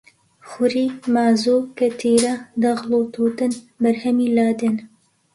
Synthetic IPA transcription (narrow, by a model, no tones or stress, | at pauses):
xʊɾiːmaːzokɐt̪ʰiːɾɐd̪ɐɣloːt̪ʰuːt̪ɨn | bɐɾhɛmiːlaːd̪ɛn